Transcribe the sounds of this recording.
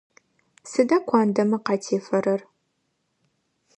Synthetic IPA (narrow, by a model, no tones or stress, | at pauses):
sɨdɐkʷʰɑːndɐmɐqɑtʰeːfɐɾɐr